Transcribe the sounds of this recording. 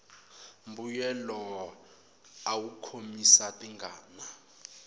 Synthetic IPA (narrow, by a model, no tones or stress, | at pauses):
mbujɛlɔ | awukʰomisatʼiŋɡʱaːna